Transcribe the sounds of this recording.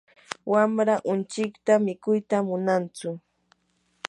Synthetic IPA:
wamɾaʔʊnt͡ʃɪkt̪amɪkʊjt̪amʊnant͡sʊ

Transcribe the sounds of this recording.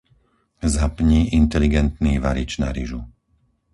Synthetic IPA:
zapɲiːʔint̪ɛliɡɛnt̪niːʋaɾit͡ʃna̰ɾiʒu

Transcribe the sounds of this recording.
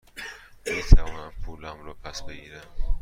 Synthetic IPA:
miːt̪ʰævɔːnæmpʰuːlæmɾopʰæsbeɡiːɾæm

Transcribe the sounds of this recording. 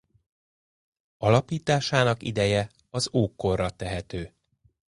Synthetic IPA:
ɒlɒpiːt̪aːʃaːnɒkḭd̪ɛjɛ | ɒzoːkːo̞rːɒt̪ɛɦɛt̪øː

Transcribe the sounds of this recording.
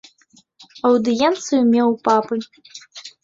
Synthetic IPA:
ɐwd̪ɨjɛnt̪sɨjumʲewpʼapʼɨ

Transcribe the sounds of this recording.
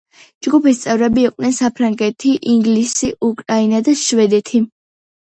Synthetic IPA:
d͡ʒɡupist̪sʼɛvɾɛbiːqʼd̪nɛnsapʰɾaŋɡɛt̪ʰiʔiŋɡlisiʔukʼɾainad̪aʃvɛd̪ɛt̪ʰi

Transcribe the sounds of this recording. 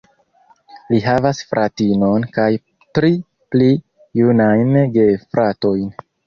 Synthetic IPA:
liɦavasfɾʔatino̞nkaj | tɾi | pli | junajnɡe̞fɾʔato̞jn

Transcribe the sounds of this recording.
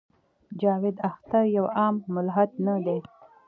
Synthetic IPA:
d͡ʒɑwɪd̪axt̪aɾjawɑmːʊlɦat̪̚nad̪e

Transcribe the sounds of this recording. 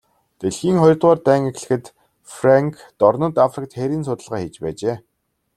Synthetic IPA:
t̪eɮxiːŋχɔj̆rt̪ʁaːrt̪æːŋexɮɘ̆xɘ̆t̪ | fraŋkʰ | t̪ɔrnɞ̆t̪afrɪk̚t̪xeɾʲiːnsʊt̪ə̆ɮʁaːxet͡ɕpæːt͡ɕeː

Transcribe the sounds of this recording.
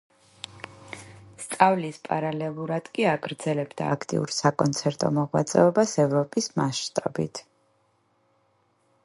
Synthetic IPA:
st̪sʼavlispʼaɾalɛlˠuɾad̪̥kʼiaɡɾd̪zɛlɛbd̪a̰ːkʰt̪ʼḭṵɾsakʼɔnt̪sʰɛɾt̪ʼɔ̰mɔʁwa̰t̪sʼɛ̰ɔbasɛvɾɔpʼismast̪ʼabḭt̪ʰ

